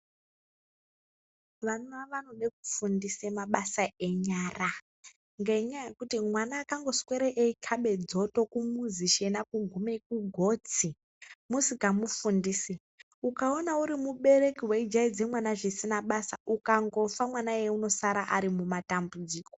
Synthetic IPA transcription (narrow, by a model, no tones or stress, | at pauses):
ʋanaʋanoɗeku̥fundisemaɓasaʔe̞ɲaːra | ŋɡeɲajekutimwanaːkaŋɡo̞sweɾeʔeikʰaɓe̞d͡zo̞to̞kumuziʃe̞nakuɡʱumekuɡʱo̞t͡si | musikamufundiːsi | ukaonauɾimuɓe̞re̞kiweid͡ʒaid͡ze̞mwanaʐisinaɓasaukaŋɡo̞famwanaeuno̞saɾaʔaɾimumatambud͡ziːko